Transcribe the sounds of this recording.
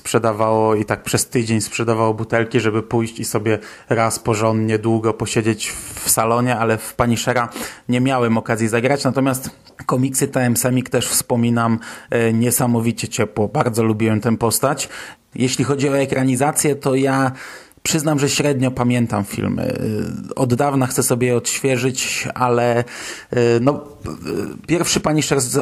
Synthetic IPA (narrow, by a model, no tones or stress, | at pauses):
spʂɛd̪avawɔit̪ak̚pʂɛst̪ɘd͡ʑeɲspʂɛd̪avawɔbut̪ɛlkʲiʐɛbɘpujɕt͡ɕisɔbʲjɛ | ɾaspɔʐɔnd̪ɲɛd̪wuɡɔpɔɕed͡ʑet͡ɕfsalɔɲɛalɛfpaɲiʂɛɾaɲɛmʲjawɛmɔkazʲjizaɡɾat͡ɕnat̪ɔmʲjast̪ | kɔmʲiksɘt̪ɛɛmsɛmʲikt̪ɛʂfspɔmʲinamɲɛsamɔvʲit͡ɕɛt͡ɕɛpwɔbaɾd̪zɔlubʲiwɛmt̪ɛmpɔst̪at͡ɕ | jʔɛɕlʲixɔd͡ʑiɔɛkɾaɲizat̪sʲjɛt̪ɔja | pʂɘznamʐɛɕɾɛd̪ɲɔpamʲjɛnt̪amfʲḭlmɘ̰ɔ̰d̪ːavnaxt̪sɛsɔbʲjɛjɛɔt̪ɕfʲjɛʐɘt͡ɕalɛ | nɔ | pʲjɛɾfʂɘpaɲiʂɛɾ